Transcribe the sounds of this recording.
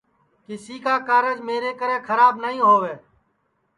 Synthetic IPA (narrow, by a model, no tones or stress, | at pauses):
kɪsiːkaːkaːɾəd͡ʒmeːɾeːkəɾẽːkʰəɾaːbnəɦĩːɦoːʋeː